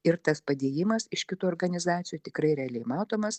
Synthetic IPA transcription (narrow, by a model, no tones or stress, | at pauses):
ɪɾt̪ɐspɐd̪ʲeːjɪmɐsɪʃkʲɪt̪uːɔːɾɡɐnʲɪzɑːt̪sʲɪjuːt̪ʲɪkɾɐɪɾʲɛɐlʲɛɪmɑːt̪oːmɐs